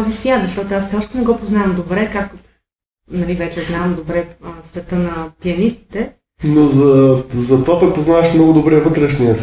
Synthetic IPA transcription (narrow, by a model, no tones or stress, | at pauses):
zisvʲjat̪zɐʃt̪ɔt̪oasfsɛɔʃt̪ɛnɛɡɔpoznavɐmd̪obɾɛkak̚t̪o | nɐlivɛt͡ʃɛznaɐmd̪obɾɛsvɛt̪ɤnɐpiɐnist̪i̥t̪ɛ | nozɐzɐt̪vapɛpoznavɐʃmnɔɡʊd̪obɾɛvɤt̪ɾɛʃniəs